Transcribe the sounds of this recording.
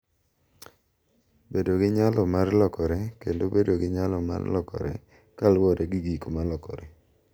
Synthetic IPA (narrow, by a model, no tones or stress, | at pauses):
bedoɡɪɲalɔmarlɔkɔɾɛkendobedoɡɪɲalɔma̰rlɔkɔ̰ɾɛ̰ | kalwɔdeɡiɡikomalɔkɔɾɛ